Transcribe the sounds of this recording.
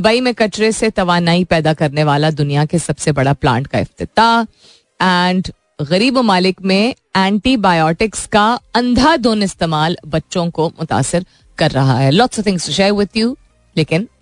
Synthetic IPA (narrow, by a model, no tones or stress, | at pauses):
baːimẽkɐt͡ʃɾeset̪ɐʋaːnaːipɛːd̪akɐɾneʋaːlad̪ʊnijakesɐbsebɐɽaplã̰ːɳʈkaɪ̰ft̪ɪt̪a | ɛɳɖ | ɣɐɾiːbmʊmaːlɪkmẽ | ɛ̃ːɳʈibaːjɔːʈɪkskaɐ̃nd̪ʱad̪oːnɪst̪eːmaːlbɐtːʃõkomʊt̪a̰ːsɪɾ | kɐɾːɐɦa̰ɦɛːlɔːʈsɔt̪ʰɪ̃ŋsʊʃaɪwɪd̪juː | leːkɪn